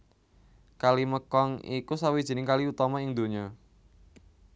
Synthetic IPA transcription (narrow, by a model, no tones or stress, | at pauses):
kaliməkɔŋikusawid̥ʒ̥i̤nɪŋkaliut̪ɔmɔɪŋd̪o̤ɲɔ